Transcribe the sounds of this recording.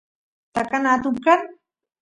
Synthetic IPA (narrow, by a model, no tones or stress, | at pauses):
t̪akanat̪ʊmkan